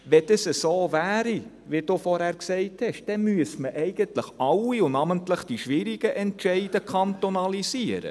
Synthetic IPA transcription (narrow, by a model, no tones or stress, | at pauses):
ʋɛd̥əsəsoːvæːɾi | ʋɪd̥uːfɔɾhæːɾksɛɪthɛʃd̥ɛmyəsməʔɛɪɡ̥əntləχɑwiʊnɑməntləχd̥iʃʋɪɾiɡ̥əʔɛntʃɛɪdəkʰɑntonɑlisiəɾə̰